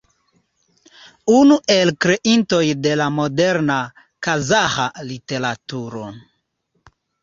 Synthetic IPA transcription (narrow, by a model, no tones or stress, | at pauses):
unuʔe̞lkɾe̞ʔinto̞jde̞lamo̞deɾna | kazahalite̞ɾatuɾo̰